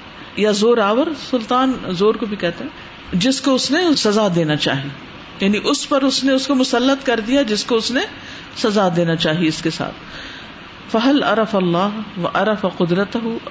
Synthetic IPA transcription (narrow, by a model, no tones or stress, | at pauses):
jazoːɾaːʋəɾsʊlt̪aːnzoːɾkobʱikɛɦt̪eɦɛ̃ | d͡ʒɪskoʊsnesɐzad̪eːnat͡ʃa̰ːɦieː | jaːniʔʊspɐɾʊsneʊskomʊsɐlːət̪kɐɾd̪ijad͡ʒɪskoʊsne | sɐzad̪eːnat͡ʃaːɦieɪskesa̰ːt̪ʰ | fɐɦɐlɐ̰ɾɐfɐlːaːɦʋɐ̰ʔɐɾɐfaqʊd̪ɾɐt̪ɐɦʊ